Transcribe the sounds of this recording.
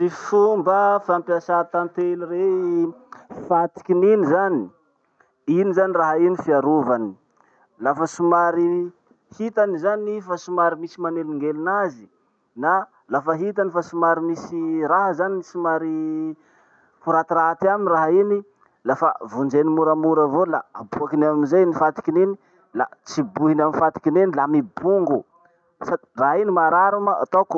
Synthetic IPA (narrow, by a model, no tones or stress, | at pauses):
sifumbəfampiasat̪ant̪elire | fat̪i̥kʲininizani̥ | inizaniraɦainifiaɾuvani̥ | lafəsumaɾi | hit̪anizanifasumaɾimisimaneliŋɡelinazi̥ | na | lafaɦit̪anifasumaɾimisiɾaɦazaninisumaɾi | kuɾat̪iɾaat̪iaminraɦini | lafavund͡ʒenimuɾamuɾavolaabuakinamizajnifat̪i̥kineni | lat͡sibuɦinaminfat̪i̥kinenilamibuŋɡu | sai̥raɦinimaɾaɾumaa̰t̪oku